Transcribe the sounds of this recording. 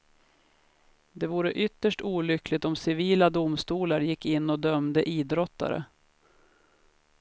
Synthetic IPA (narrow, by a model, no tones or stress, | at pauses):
d̪ɛvuːɾəʔʏt̪ːəʂʈuːlʏklɪɡt̪ɔmsɪviːlad̪ʊmst̪uːlaɾjɪkːɪnːɔd̪œmd̪əʔiːd̪ɾɔt̪ːa̰ɾə̰